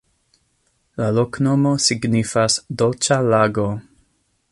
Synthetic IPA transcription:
laloknomosiɡnifasdolt͡ʃalaɡo

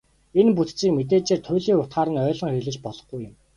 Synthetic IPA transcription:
enput̪t͡siːkmet̪eːt͡ɕeːrt̪ʰʊjɮiːŋʊt̪̚ɢaːɾə̆nœːɮɞ̆ŋxeɮɘ̆t͡ɕpɔɮɞ̥̆χɡujʊ̆m

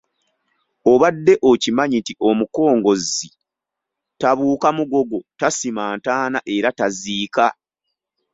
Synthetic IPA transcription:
o̞βadːe̞ʔocimaɲitiʔo̞muko̞ːŋɡo̞zi | taβuːkamuɡo̞ɡo̞tasimaːntaːnaʔe̞ɾataziːka

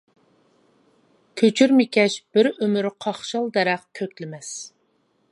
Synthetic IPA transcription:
kʲʰøt͡ʃʰyɾmɪkʲʰɛʃb̥ɪɾømyɾqʰɑχʃɑlˠd̪ɛɾɛqkʲʰøkʲlɪmɛs

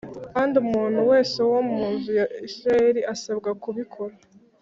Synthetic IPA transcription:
kaːndiumuːn̥huwe̞ːse̞womuuːnzujaisɾae̞ɾiʔasabɡakuβikʰo̞ɾa

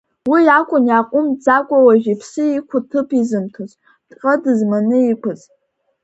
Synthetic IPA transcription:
wijakʷʼʊnjaqʷʼʊmd͡zakʷʼawaʒᶣipʰsɨikʷʰʊtʰɨpʰizɨmtʰozʼ | tʼqʼɐdɨzmanɨikʷʰʊz

